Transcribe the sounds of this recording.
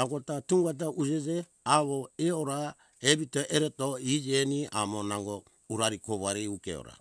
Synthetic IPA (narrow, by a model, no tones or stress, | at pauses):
aɡotatuŋɡat̬aʔud͡ʒed͡ʒe | aβoeoɾa | ebitoʔeɾetoid͡ʒenia̰monaŋɡo | uɾaɾikoβaɾiukḛo̰ɾa̰